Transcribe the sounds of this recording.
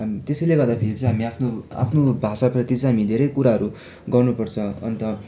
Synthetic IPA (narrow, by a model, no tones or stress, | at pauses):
mt̪esʌjleɡʌrd̪apʰeɾit͡sʌ̃j̃ɦamiapʰnoa̰pʰnobʱasaprʌt̪it͡sʌ̃ɦamid̪ʱeɾʌjkuɾaɦʌɾu | ɡʌrnupʌrt͡sʰʌ̃ʌ̰nt̪ʌ